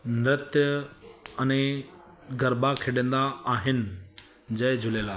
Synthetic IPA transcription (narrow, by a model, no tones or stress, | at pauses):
nɾət̪jə | ɐnẽ | ɡɐɾbakʰɪɖə̃n̆d̪aːɦɪnɪ̆ | d͡ʑɐɦɪd͡ʑʱʊleːlaː